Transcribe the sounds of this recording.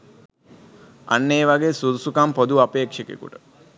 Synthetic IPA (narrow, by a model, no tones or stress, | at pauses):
a̰nːeːʋaɡesud̪usukampod̪uapeːkʂekḛkṵʈə